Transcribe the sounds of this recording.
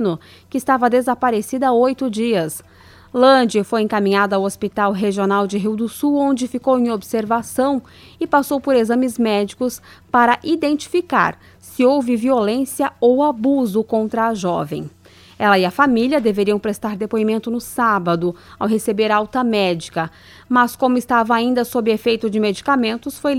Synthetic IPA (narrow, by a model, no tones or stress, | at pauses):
nʊ | kɪst̪avɐd̪ezapaɾesid̪ɐaojt̪ʊd͡ʒiɐs | lɐ̃d͡ʒiɐfojẽŋ̃kamĩɲad̪ɐawospit̪awɦeʒionawd͡ʒɪɦiwd̪ʊsuwõnd͡ʒɪfikowẽj̃obseɾvasɐ̃w̃ | ɪpasowpoɾezɐ̃mɪzmɛd͡ʒikʊspaɾɐʔid̪ẽnt͡ʃi̥fika̰ɾ | sɪowvɪviolẽsiɐowabuzʊkõnt̪ɾɐːʒɔvḛ̃j̃ | ɛlɐɪɐfamiljɐd̪eveɾiɐ̃w̃pɾest̪aɾd̪epoimẽnt̪ʊnʊsabɐd̪ʊawɦesebeɾawt̪ɐmɛd͡ʒikɐ | mɐskõmʊɪst̪avɐaĩnd̪ɐsobɪefejt̪ʊd͡ʒɪmed͡ʒikamẽnt̪ʊsfoj